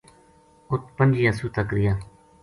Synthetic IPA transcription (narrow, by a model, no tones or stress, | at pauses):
ʊt̪ʰpənd͡ʒijaːsuːt̪əkɾɪjaː